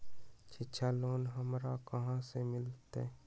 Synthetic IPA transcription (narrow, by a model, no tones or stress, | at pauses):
t͡ʃʰɪʃʰaloːnɦəmɾakəɦãsemɪlt̪eː